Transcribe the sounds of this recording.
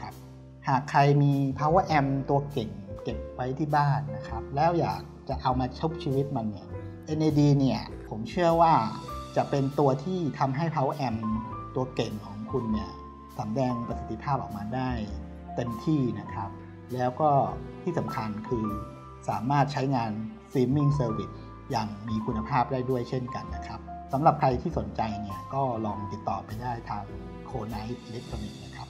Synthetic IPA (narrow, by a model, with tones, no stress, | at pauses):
kʰa˦˥p̚ | haː˨˩kʰːɾa˧jmiː˧pʰa˦˥wa˧ʔɛ˧mt̪u˧ɐke˨˩ŋke˨˩p̚wa˦˥jt̪ʰiː˥˩baː˥˩nːa˦˥kʰa˦˥p̚lɛː˦˥wja̰ː˨˩k̚t͡ɕa˨˩ʔa˧wmaː˧t͡ɕʰo˦˥p̚t͡ɕʰiː˧wi˦˥t̪̚ma˧nːi˦˥˩ɐ | ʔe˧nʔeː˧diː˧ni˥˩ɐ | pʰo˩˦mt͡ɕʰɯ˥˩ɐwaː˥˩t͡ɕa˨˩pe˧nt̪u˧ɐt̪ʰiː˥˩t̪ʰa˧mɦa˥˩jpʰa˧˦˥wa˧ʔɛ˧mt̪u˧ɐke˨˩ŋkʰɔː˩˦ŋkʰu˧nːi˥˩ɐ | sa˩˦mdɛː˧ŋpɾa˧si˨˩t̪ːi˧˦pʰaː˥˩p̚ʔɔː˨˩k̚maː˧daː˥˩j | t̪e˧nt̪ʰiː˥˩na˦˥kʰɾa˦˥p̚ | lɛː˦˥wkɔː˥˩t̪ʰiː˥˩sa˩˦mkʰa˧nkʰɯː˧ | saː˩˦maː˥˩t̪̚t͡ɕʰa˦˥jŋaː˧n | siː˦˥mːi˥˩ŋsɤː˧wi˨˩t̚ | jaː˨˩ŋmiː˧kʰu˧nːa˧pʰaː˥˩p̚daː˥˩jdu˥˩əjt͡ɕʰe˥˩nka˧nːa˦˥kʰɾa˦˥p̚sa˩˦mɾa˨˩pkʰɾa˧jt̪ʰiː˥˩so˩˦nt͡ɕa˧jni˥˩ɐkɔː˥˩lɔː˧ŋt̪i˨˩t̪ːɔː˨˩pa˧jdaː˥˩jt̪ʰaː˧ŋ | kʰoː˧na˦˥jt̪̚ʔi˧le˦˥k̚t̪ʰɾa˧ni˨˩k̪̚na˦˥kʰɾa˦˥p̚